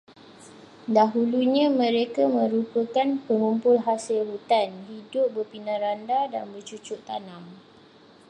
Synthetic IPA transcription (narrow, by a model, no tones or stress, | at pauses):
daɦuluɲãmə̃ɾekamə̃ɾupəkanpəŋumpʊlɦasɪlɦut̪anɦidʊp̚bərpinãɾandada̰nbərt͡ʃut͡ʃʊʔt̪anam